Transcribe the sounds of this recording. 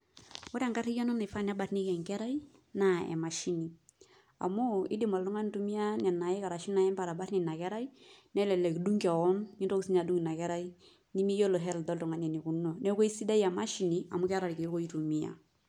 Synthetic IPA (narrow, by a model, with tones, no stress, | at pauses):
o˦ɾa˨ŋka˦ɾi˦jɔ˦nɔ˦nɪ˨fa˦na˦ba˨tni˦kɛ˨ŋkɛ˦ɾa˦i˦na˨ɛ̰˨ma˨ʃi˦ni˨ | a̰˨mʊ˦ɪ̰˦dɪ˦mɔ˨llu˦ŋa˦n˦tu˦mi˦a˦nɛ˨na˨ɛ˦ka˨ɾa˨ʃi˦na˨jɛ˦mpa˨ɾa˨ba˦tni˨na˨kɛ˦ɾa˦i˦nɛ˦lɛ˨lɛ˨ki˨du˦ŋkɛ˨wɔ˦ni˦nto˦ku˨si˦ɲa˨du˦ŋi˨na˨kɛ˦ɾa˦i˦ | ni˦ni˦jo˦lɔ˨ɦɛ˦ldɔ˦ltu˨ŋa˨ɲɛ˨ni˨ku˨˦nɔ˨ne˦ko˦i˦si˦da˦ja˨ma˦ʃi˨ni˨a˨mu˦kɛ˦ɾa˨lke˨jo˦ko˦i˦tu˨mi˨a̰˨